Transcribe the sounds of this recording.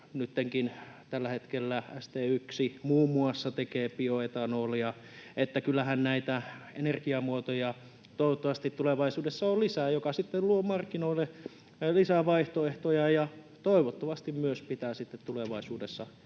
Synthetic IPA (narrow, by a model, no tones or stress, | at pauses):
nyt̪ːeŋkint̪ælːæhet̪kelːææ̰st̪eːyksimuːmuɑsːɑt̪ekeːpioet̪ɑnoljɑ | et̪ːækylːæhænnæit̪æenerkiɑmuot̪ojɑ | t̪oˑiʋot̪ːoɑʋɑst̪it̪tuleʋɑisuːdesːɑolisæjokɑsit̪ːelluomɑrkːinoilːe | lisæʋɑiht̪oeht̪ojɑjɑ | t̪oˑiʋot̪ːoʋɑst̪immyøspit̪æːsit̪ːet̪t̪uleʋɑisuːdesːɑ